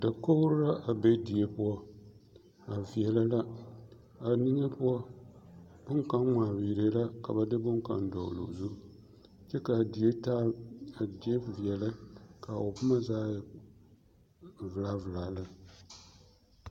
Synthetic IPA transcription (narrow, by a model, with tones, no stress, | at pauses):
da˨ko˦ɾɾa˦ʔa˨bɛ˦di˨e˦pu˦ɔ˦ | a˨vi˨ɛ˨la˦la˦ | a˨nɪ˦ɲɛ˦pʊ˦ɔ˦ | bʊ˦ŋka˦nmaː˨wi˨ɾe˦la˦ka˨ba˨dɨ˦bʊ˦ŋka̰˨ndɔ̰˨lo̰˨zu˦ | t͡ʃɛ˦ka˨di˨je˦taː˦a˨di˦e˦vi˨ɛ˨la˦ka˨o˨pʊ˦ma˦zaː˦j | vɨ˨la˨˦vɨ˨laː˨la˦